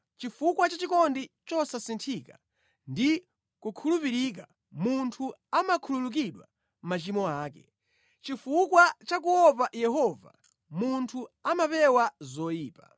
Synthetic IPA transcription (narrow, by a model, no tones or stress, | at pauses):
t͡ʃifukwat͡ʃat͡ʃikɔndit͡ʃɔsasintʰika̰ | ndi | kukʰulupiɾika | muntʰuamakʰululuk̬iɗwa̰ | m̩mat͡ʃimɔaːkɛ | t͡ʃifukwat͡ʃak̬uɔpajɛɦɔva̰ | muntʰuamapɛwazɔjiːpa